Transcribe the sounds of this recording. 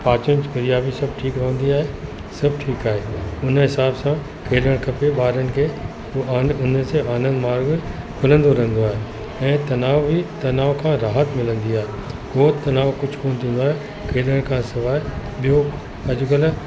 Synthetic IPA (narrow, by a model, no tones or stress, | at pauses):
paːt͡ɕənd͡ʑkɐɾijabisɐb̚ʈʰiːkɾɐɦə̃nd̪iaːɦe | sɐb̚ʈʰiːkaːɦeʊnɦɪsaːbsã | kʰeːləɽ̃kʰɐpeɓaːɾənɪ̆kʰe | ʊnə̆seʔaːnə̃nd̪maːɾɡ | kʰʊlə̃nd̪oɾɐɦə̃n̆d̪oaːɦe | ɛ̃ːt̪ɐnaːʋbit̪ɐnaːʋokʰãːɾaːɦət̪mɪlə̃nd̪iaːɦekoːt̪ːɐnaːʋkʊd͡ʑʱkoːñt̪ʰĩːnd̪oaːɦe | kʰeːləɽ̃kʰãsɐʋaːeɓijo | ɐd͡ʑʊkəl